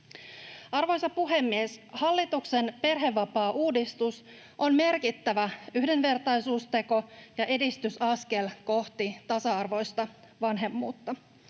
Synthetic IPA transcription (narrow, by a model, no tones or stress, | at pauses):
ɑrʋo̞jsɑpuɦe̞mːieshɑlːit̪ukse̞npe̞rɦe̞ʋːɑpɑːʔuːdist̪us | ʔo̞nme̞rkit̪ːæʋæyhdenʋe̞rt̪ɑjsuːst̪e̞ko̞jɑʔe̞dist̪ysɑske̞lko̞ht̪it̪ɑsɑɑrʋo̞jst̪ɑ | ʋɑnɦe̞mːṵːt̪ːɑ